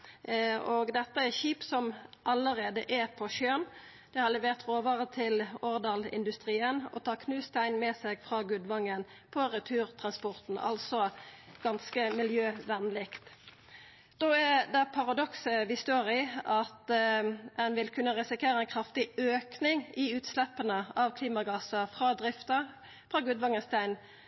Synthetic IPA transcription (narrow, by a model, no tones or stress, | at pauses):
oːɡd̪ɛt̪ːəæçiːpsɔmʔɑləʁeːd̪əʔɛpʰɔʃjøːn | d̪̥ɛhɑʁlɛʋeːʁt̪ʁoːʋəʁət̪ʰɪlɔʁd̪ɑːlɪ̰nd̪ʉst̪ʁiːənɔ̰t̪ʰɑːkʰnʉːst̪æɪnmɛsɛɡfʁɑːɡʉd̪ʋɑŋːən | pʰɔʁɛt̪ʰʉːʁt̪ʰʁɑnspɔʁt̪n̩ʔɑ̰lsɔɡ̥ɑnskəmɪljøːʋɛnlɪkt̪ | d̪oæd̪ɛpʰɑʁɑd̪ɔksəʋɪst̪oːʁɪɑt̪ | ɛnʋɪlkʰʉnːəʁɛsɪkʰeːɾəɛnkʰɾɑft̪ɪøːknɪŋɪʉːt̪slɛpːənəɑʋkʰliːmɑɡɑːsəfʁɑːd̪ʁɪft̪ə | fʁɑːɡʉd̪ʋɑŋːənst̪æɪn